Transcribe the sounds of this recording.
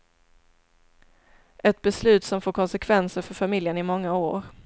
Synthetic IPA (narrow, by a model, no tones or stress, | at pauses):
ʔɛt̪̚bɛslʉ̟ːt̪sɔmfoːɾkʰɔnsɛkʰvɛnsəɾfœɾfamɪljənɪmɔŋːaoːɾ